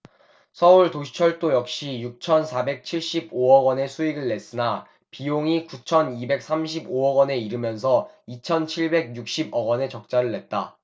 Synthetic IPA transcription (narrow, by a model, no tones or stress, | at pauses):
sʰʌuɭtoɕ̬ʰi̥t͡ɕʰʌɭt͈ojʌk̚ɕ͈ijuk̚t͡ɕʰʌnsʰabe̞k̚t͡ɕʰiɭɕ͈iboʌɡwʌne̞sʰuiɡɯɭːe̞s͈ɯna | pijoŋikut͡ɕʰʌnibe̞k̚s͈amɕ̬ʰiboʌɡʌne̞iɾɯmjʌns̬ʰʌit͡ɕʰʌnt͡ɕʰiɭbe̞ɡ̚juk̚ɕ͈ibʌɡwʌne̞t͡ɕʌk̚t͡ɕ͈aɾɯɭːe̞t̚t͈a